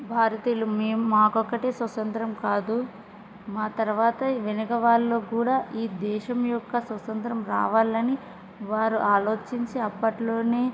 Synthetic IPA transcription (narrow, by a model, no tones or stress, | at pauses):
bʱaːɾɐt̪iːlumeːmumaːkɔkːɐʈe̞ːswɐt̪ɐnt̪ɾɐmkaːd̪u | maːt̪ɐɾʋaːt̪ɐʋenɐkɐʋaːlːo̞ːkuːɽaːʔiːd̪ɛːʃɐmjɔkːɐsʋɐt̪ɐnt̪ɾɐmɾa̰ːʋaːlɐni | ʋaːɾuʔaːlo̞ːt͡ʃiɲt͡ʃiɐpːɐʈlo̞ːne̞ː